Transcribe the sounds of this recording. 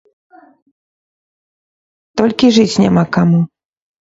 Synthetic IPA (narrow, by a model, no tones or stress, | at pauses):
t̪ɔlʲkʲiʐɨt͡sʲnʲa̰makamu